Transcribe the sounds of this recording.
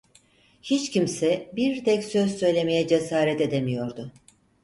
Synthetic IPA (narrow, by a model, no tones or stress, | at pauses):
hit͡ʃcʰimsɛbiɾt̪ɛcsø̞zsø̞jlʲe̞mejɛd͡ʒe̞saːɾɛt̪e̞d̪e̞mijo̞ɾd̪ʊ